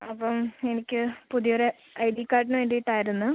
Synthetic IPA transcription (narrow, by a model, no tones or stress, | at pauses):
ɐpːɐmenikʲːɨpuðijoɾe | ɐjɖikːaːɾʈ̬inɨʋeːɳɖiiʈːaːjiɾunːu